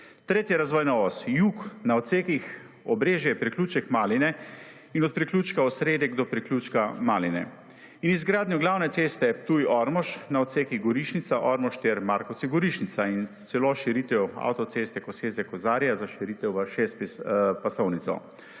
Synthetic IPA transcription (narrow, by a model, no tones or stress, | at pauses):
t̪ɾeːt̪jɛɾazʋɔːjnɔːʋɔst̪juːknaɔt̪seːkix | ɔbɾeːʒjɛpɾikluːt͡ʃɛkmaːlinɛ | inɔt̪̚pɾiklʲuːt͡ʃkaɔsɾeːd̪jɛɡd̪ɔpɾiklʲut͡ʃkamaːlinɛ̰ | inizɡɾaːd̪nuɡlaːwnɛt̪seːst̪ɛpt̪ujɔɾmɔʃnaɔt̪seːkiɣɡɔɾiʃnit̪saʔɔɾmɔʃt̪ɛɾmaɾkɔsiɡɔɾiʃnit̪saint̪sɛloʃiɾiːt̪ɛwa̰wt̪ɔt̪sest̪ɛkɔseːzɛkɔzaːɾjazaʃiɾiːt̪ɛwʋəʃest̪ppasɔwnit̪sɔ̰